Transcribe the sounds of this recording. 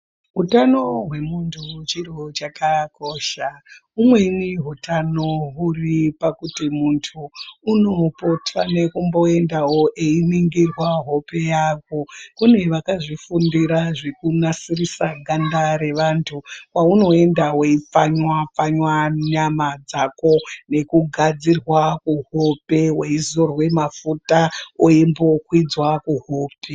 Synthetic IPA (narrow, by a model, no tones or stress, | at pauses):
ɦutano̞ɦwe̞muntʰut͡ʃirot͡ʃakako̞ːʃaumwe̞niɦutano̞ɦuripakutimuntʰuːno̞po̞tʰane̞kumbo̞e̞ndao̞ʔeiniŋɡirwaɦo̞pe̞jaːko̞kune̞ʋakaʐifundiɾaʐekunasirisaɡʱandaɾe̞ʋantʰuwauno̞e̞ndaweip͡faɲwap͡faɲwaɲamad͡zako̞ne̞kuɡʱad͡zirwakuɦope̞weizorwe̞mafutaoimbo̞kwid͡zwakuɦoːpe̞